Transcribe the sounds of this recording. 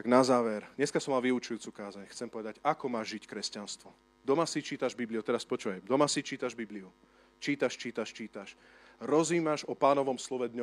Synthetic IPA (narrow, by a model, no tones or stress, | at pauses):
t̪aɡnazaːʋɛɾɲɛskasɔmːalʋiut͡ʃujuːt͡suːkaːzaɲxt͡sɛmpɔʋɛd̪aɟakɔmaːʒʒickɾɛscanst̪ʋɔ | d̪ɔmasit͡ʃiːt̪aʒbibliut̪ɛɾaspɔt͡ʃuʋajd̪ɔmasit͡ʃiːt̪aʒbibliu | t͡ʃiːt̪aʃt͡ʃiːt̪aʃt͡ʃiːt̪aʃ | ɾɔziːmaʒɔpaːnɔʋɔmslɔʋɛd̪ɲɔ